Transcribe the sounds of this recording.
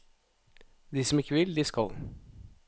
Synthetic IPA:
d̪iːsɔmɪkːəʋɪld̪iːskɑl

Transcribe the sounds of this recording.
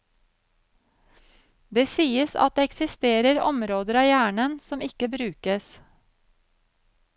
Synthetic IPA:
d̪eːsiːəsɑ̰t̪̚d̪eːɛksɪst̪eːɾəɾɔ̰mɾoːd̪əɾɑːjæːɳənsɔmɪkəbɾʉːkəs

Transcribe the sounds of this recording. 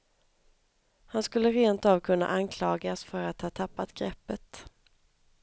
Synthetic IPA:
hanskɵlːəɾeːnt̪ɑːvkʰɵnːa̰ʔankʰlɑːɡasfœɾat̪hɑːt̪ʰːapːat̪ɡɾɛpːət̪

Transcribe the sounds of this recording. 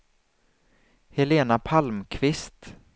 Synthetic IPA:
hɛleːnapʰalmkʰvɪst̪

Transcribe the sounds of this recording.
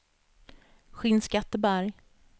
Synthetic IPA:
ɧɪnskat̪ːəbæɾj

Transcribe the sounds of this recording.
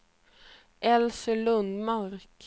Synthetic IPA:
ɛlsəlʉnmɑʁk

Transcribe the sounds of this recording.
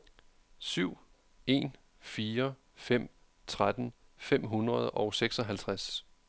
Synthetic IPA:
syʊ̰ | e̝ːn | fiːɐ | fem̰ | t͡sʰʁad̥n̩fem̰ɦunʁɐð̞̩ˠɒ̽ʊseɡ̥sɒ̽ɦælt͡sʰʁas

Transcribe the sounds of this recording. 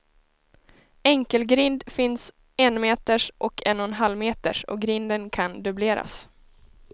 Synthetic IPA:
ɛŋkəlɡɾɪnd̪fɪns | ɛnmeːt̪əʂʔɔkʰɛnɔnɦalːmeːt̪ə̰ʂɔ̰ɡɾɪnd̪ənkʰand̪ɵbleːɾa̰s

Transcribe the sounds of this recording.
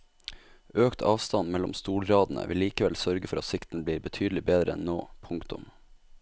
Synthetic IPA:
øːkt̪ʰɑːʋst̪ɑnmɛlɔ̰mst̪uːlɾɑːd̪n̩ə̰ʋɪliːkəʋɛlsœɾɡəfɔɾʔɑt̪sɪkt̪n̩əbliːɾbət̪ʰyːd̪l̩ɪbeːd̪ɾəɛnno̰ːpʰʊŋkt̪ʊ̰m

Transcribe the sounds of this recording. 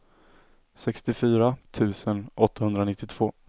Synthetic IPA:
sɛkst̪ɪfyːɾat̪ʰʉ̟ːsənʔɔt̪ʰːahɵnd̪ɾanɪt̪ːɪt̪ʰv̥oː

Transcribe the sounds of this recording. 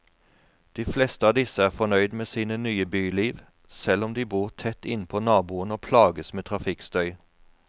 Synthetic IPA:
d̪̥iːflɛst̪əɑːd̪ɪsəæːʁfɔnœʏd̪meːsiːnənyːəbyːliːʋ | sɛlɔmd̪iːbuːʁt̪ʰɛt̪ːɪnpʰoːnɑːbuːənoːpʰlɑːɡəsmeːt̪ʰʁɑfɪkst̪œʏ

